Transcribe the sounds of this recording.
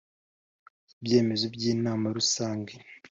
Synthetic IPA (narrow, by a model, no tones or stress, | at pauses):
ibje̞ːme̞zobɟiːnaːmaɾusaːŋɡe